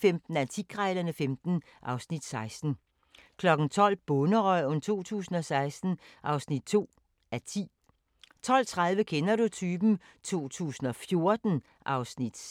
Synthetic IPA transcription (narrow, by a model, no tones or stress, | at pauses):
femd̥n̩æɐt͡sʰiɡ̥ʁaɪlɐnəfemd̥n̩ | ʔɑ̈ʊsnid̥sɑ̈ɪsd̥n̩ | kʰlɒ̽ɡ̥n̩t͡sʰɒ̽l̰b̥ɔnəʁɒɪ̰ɔ̽nt͡sʰo̝̰ːt͡sʰṵːsn̩ɒ̽sɑ̈ɪsd̥n̩ʔɑ̈ʊsnid̥̚t͡sʰo̝̰ː | æɐt͡sʰḭː | t͡sʰɒ̽l̰t͡sʰʁað̞ˠʋəkʰenɐɾut͡sʰyːb̥n̩ | t͡sʰo̝̰ːt͡sʰṵːsn̩ɒ̽fjo̝ɐd̥n̩ | ʔɑ̈ʊsnid̥